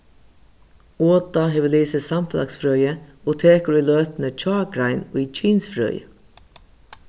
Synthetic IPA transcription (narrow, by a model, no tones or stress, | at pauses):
oːt̪aɦeːʋəliːsəsamfəla̰ksfɾœːʏjəot̪ʰeːkəɾʏløːt̪nət͡ʃʰɑːɡɾaɪnʊt͡ʃʰiːnsfɾœ̰ːjə̰